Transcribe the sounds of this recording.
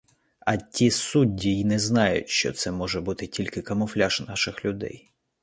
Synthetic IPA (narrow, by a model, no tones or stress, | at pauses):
ɐtʲisudʲːiinɛznɑjʊ̰tʲʃt͡ʃɔ̰t̪sɛmɔʒɛbut̪ɪtʲilʲkɪkɐmɔflʲaʃnɑʃɪxlʲʊd̪ɛ̰j